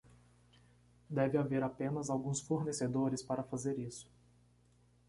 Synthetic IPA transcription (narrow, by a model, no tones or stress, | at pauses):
d̪ɛvɪaveɾapẽnɐzawɡũsfoɾnesed̪oɾɪspaɾɐfazeɾisʊ̥